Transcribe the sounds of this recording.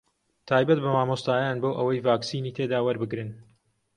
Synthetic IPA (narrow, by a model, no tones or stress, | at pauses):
t̪ʰaːjbɐt̪bɐmaːmoːst̪aːjaːnboːʔɐwɐjvaːksiːniːt̪ʰeːd̪aːwɐɾbɨɡɾɨn